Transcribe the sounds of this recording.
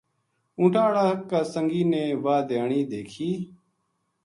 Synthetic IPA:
ũːʈʰaːɽaːkaːsəŋɡiːneːʋaːd̪eːɳiːd̪eːkʰiː

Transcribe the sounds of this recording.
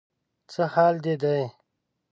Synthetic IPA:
t͡səhaːld̪ed̪aj

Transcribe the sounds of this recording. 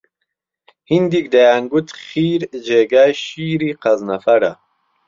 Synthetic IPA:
hind̪ikd̪ajaŋɡut̪χiːɾd͡ʑeɡajɕiːɾiqɐznɐfɐɾa

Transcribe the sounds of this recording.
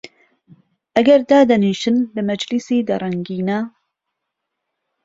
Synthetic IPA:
ʔɐɡɐɾd̪aːd̪ɐniːʃɨnlɐmɐd͡ʒlisiːd̪ɐɾˤɐŋɡiːnɐ

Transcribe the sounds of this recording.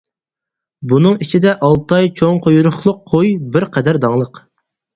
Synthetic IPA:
bunɨŋit͡ʃʰid̪ɛʔɑlˠt̪ɑjt͡ʃʰoŋqʰojuɾʊχlˠʊqʰːojbɪɾqʰɛd̪æɾd̪ɑŋlˠəq

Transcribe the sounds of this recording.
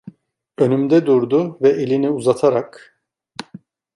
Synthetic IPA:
ø̞nymd̪ɛd̪uɾd̪ʊvɛʔelʲiniuzat̪ʰaɾak

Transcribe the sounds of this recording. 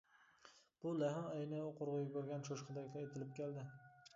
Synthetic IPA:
b̥ʊlahɪmajnɪoqʰoɾʁʊɡʲakʲʰɵɾɡʲanʃoʃqʰɨd̪akʲlaet̪ʰɪlɪp̚kʲʰeld̪ɪ

